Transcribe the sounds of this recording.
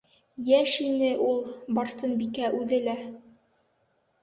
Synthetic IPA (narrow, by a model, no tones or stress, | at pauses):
jæʃinɘʔulˠbɑɾsɤnbikæʔʉðɘlæ